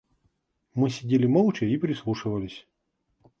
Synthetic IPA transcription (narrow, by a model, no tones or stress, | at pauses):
mɨsʲɪdʲelʲɪmɔlˠt͡ɕɛipɾʲɪslˠuʂɨvəlʲɪsʲ